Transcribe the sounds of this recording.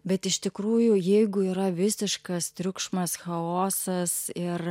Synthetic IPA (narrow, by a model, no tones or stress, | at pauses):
bʲɛt̪ɪʃt̪ʲɪkɾuːjʊjɛɪɡʊiːɾɐʋʲɪsʲɪʃkɐst̪ʲɾʲʊkʃmɐsxɐoːsɐsɪr